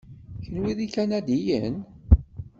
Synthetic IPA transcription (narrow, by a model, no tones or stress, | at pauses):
çənwiðikænæd̪ijən